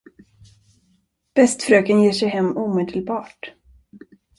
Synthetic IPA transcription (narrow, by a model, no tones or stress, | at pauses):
b̥ɛst̪fɾøːkənjeːʂɛjɦɛmːuːmeːd̪əlbɑːʈ